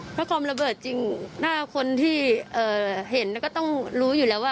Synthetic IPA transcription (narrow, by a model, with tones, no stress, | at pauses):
pʰɔ˦˥kʰwaː˧mɾa˧bɤː˨˩t̪̚t͡ɕi˧ŋnaː˥˩kʰo˧nt̪ʰiː˥˩ʔɤː˨˩he˨˩˦n˧˩kɔː˥˩t̪ɔ˥˩ŋɾuː˦˥juː˨˩lɛː˦˥waː˥˩